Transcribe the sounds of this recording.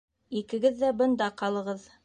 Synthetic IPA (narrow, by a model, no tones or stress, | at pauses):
ikɘ̆ɡɘðːæbɤ̆nd̪ɑqɑlˠɤ̆ʁɤð